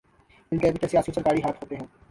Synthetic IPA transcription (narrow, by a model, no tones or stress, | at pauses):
ɪnkɛːbit̪esijaːsiõsɐɾkaːɽiɦaːt̪ɦoːt̪eɦɛ̃ː